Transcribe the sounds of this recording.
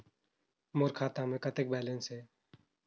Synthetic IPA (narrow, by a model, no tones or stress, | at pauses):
moːɾkʰaːt̪ãːmẽːkət̪eːk̚bɛːlẽnsɦeː